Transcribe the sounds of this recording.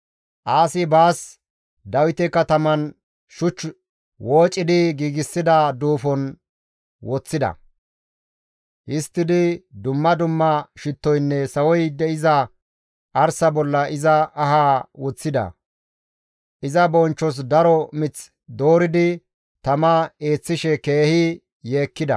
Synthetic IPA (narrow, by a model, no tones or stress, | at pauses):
ʔaːsɪbaːs | d̪ɐwɪt̪ɛkɐt̪ɐmɐn | ʃʊt͡ʃː | woːt͡ʃʼːɪd̪ɪɡiːɡɪsːɪd̪ɐd̪uːfɔn | wɔt͡sːɪd̪ɐ̰ | hɪst̪ːɪd̪ɪd̪ʊmːɐd̪ʊmːɐʃɪt̪ːɔjnːɛsɐwɔjd̪ɛʔɪzɐ | ʔɐɾsɐbɔlːɐʔɪzɐɐhaːwɔt͡sːɪd̪ɐ̰ | ʔɪzɐbɔnt͡ʃːɔs̬d̪ɐɾɔmɪt͡s | d̪o̞ːɾɪd̪ɪ | t̪ɐmɐe̞ːt͡sːɪʃɛkeːhɪ | jeːkːɪd̪ɐ̰